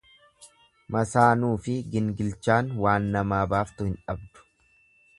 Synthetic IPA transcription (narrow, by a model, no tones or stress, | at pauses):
mɐsaːnuːfɪɡɪŋɡɪlt͡ʃaːnwaːnːɐmaːbaːft̪ʊhɪnᶑɐb̚d̪ʊ̥